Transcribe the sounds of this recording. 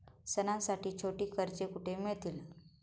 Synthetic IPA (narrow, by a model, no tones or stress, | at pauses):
sənãsaʈiːt͡ɕʰoʈiːkəɾt͡ɕekuʈʰemiɭt̪il